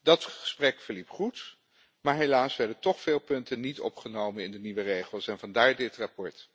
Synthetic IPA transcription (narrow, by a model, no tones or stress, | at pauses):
dɑtχəsprɛkfəɹlipχut | maːɹɦelaːsʋɛɹdəntɔχfɪːlˠpɵntənitɔ̰pχənowmənɪndəniʋərejχəlˠsɛnvɑndaːɹdɪtrapɔɹt